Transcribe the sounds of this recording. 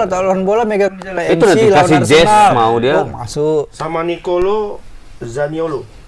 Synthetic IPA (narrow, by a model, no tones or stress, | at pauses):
at̪alaanbolameɡaalait̪unaiilaaasiaɾd͡ʒɛnsalmaudiama̰sʊʔsamanikolo | zaniolo